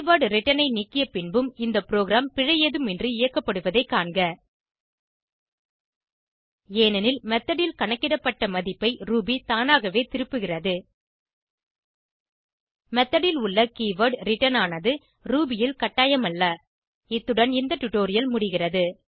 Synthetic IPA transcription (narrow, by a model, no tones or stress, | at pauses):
ʋɐɾɖɾɪʈːɐnɐɪniːkːɪjɐpɪnbɯmɪnd̪ɐpɪɾoːɣɪɾaːmpɪɻɐjeːðɯmɛndrɯɪjɐkːɐpːɐɽɯʋɐðɐɪkːaːɳɡɐ | eːnɐnɪlmɛt̪ːɐɽɪlkɐɳɐkːɪɽɐpːɐʈːɐmɐðɪpːɐɪɾuːbit̪aːnaːɣɐʋeːt̪ɪɾɯpːɯɣɪrɐðɯ | mɛt̪ːɐɽɪlʊɭːɐkiːʋɐɖɾɪʈːɐnaːnɐðɯ | ɾuːbɪjɪlkɐʈːaːjɐmɐlːɐ | ɪt̪ːɯɽɐnɪnd̪ɐʈːʊʈːoːɾɪjɐlmʊɽɪɣɪrɐðɯ